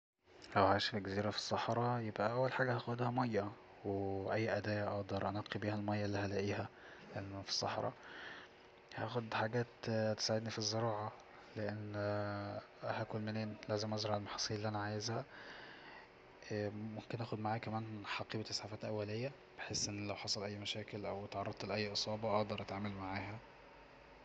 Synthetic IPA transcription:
hæwhaʃfɡæziːɾæfi̥sˤːɑħɾˤɑjebʔæʔæwːælħaːɡæhæxod̪hæmɑjːæ | weʔæjːʔæd̪æːjæʔɑʔd̪ˤɑɾˤʔɑnɑːqibiːhælmɑjːɑlːihælæʔiːhæ | ʔænːfi̥sˤːɑ̰ħɾˤɑ̰ | hæʔæxod̪ħaɡæːt̪t̪ːe̥saʕed̪nifizːeɾɑːʕɑ | leʔenː | hækolmeneːnlæːzemʔɑzɾˤɑʕelmɑħɑ̥sˤiːlelːiʔænæʕajezhæ | momkenʔæːxod̪maʕaːkæmæːnħɑqiːbæt̪esˤħɑfæːt̪ʔæwːælejːæ | b̥eħesːʔenːlæwħɑsˤɑlʔæjːmæʃæːkelʔæwæt̪ʕɑrˤɑd̪̚ˤt̪leʔæjːʔɨsˤɑːbɑʔɑʔd̪ˤɑɾˤʔæt̪ʕaːmælmaʕaːhæ

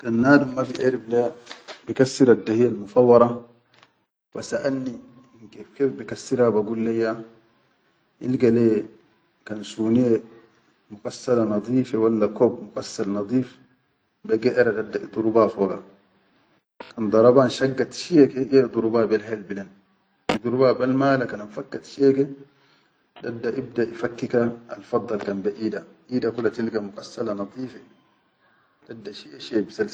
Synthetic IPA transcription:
kanːaːd̪umːabiʔeɾiblebikasːiɾadːahijalmufɑwːɑɾˤɑ | fasaʔanːi | ŋkebkefbikasːiɾabaɡulːejːa | ʔilɡale | kansune | mukasːalanɑd̪ˤiːfewalːakobmukasːalnɑd̪ˤiːf | bɛɡɛʔɛɾadadːaʔit̪ˤuɾubafɔɡa | kand̪ˤɑɾˤɑbaːnʃaɡːat̪ʃiɛkɛɛd̪ˤuɾubaːbɛlhɛlbilan | ʔit̪uɾubaːbalmaːlakananfakːat̪ʃɛkɛ | dadːaʔibdaʔifakːikaa̰lfɑd̪ˤːɑlkanbɛʔiːdaʔiːdakulat̪ilkamʊkasːalanɑd̪ˤiːfɛ | dadːaʃiɛʃɛbisal

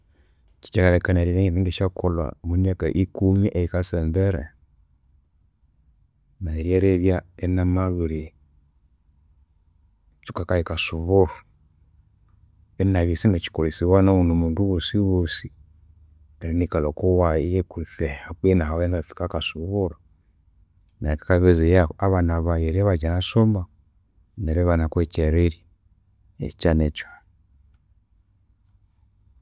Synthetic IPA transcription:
t͡ʃi̥t͡ʃakaɾɛkanaɾieitiɡiʃakʰola̰muniaka̰ʔikuɲiʔɛjikasɛmbɛɾɛ̰ | naeɾiɛɾeviaɛnamawuɾi | t͡ʃukakajikasuβoɾ | ɛnaβisinat͡ʃi̥koɾisiwanawunomuduwosiwosi | naɾinikalɔkowajekufɛak͡penaɦaɛnafi̥kakasuβoɾɔ | naikḁkaβezejaaβanaβajeɾɛβad͡ʒanasoma | nɛɾɛβanakwɛt͡ʃɛɾeɾi | ḛt͡ʃanɛt͡ʃa

